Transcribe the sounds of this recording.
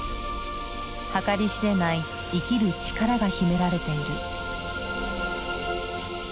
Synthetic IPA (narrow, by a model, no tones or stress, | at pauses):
hakaɾʲiɕiɾe̞nai | ikʲiɾɯ̟t͡ɕi̥kaɾaɡaçime̞ɾaɾe̞t̪e̞iɾɯ